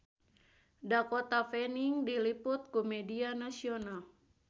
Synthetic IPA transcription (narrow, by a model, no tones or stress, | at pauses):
dakɔt̪afɛniŋdiliput̪̚kumɛdianasiɔnal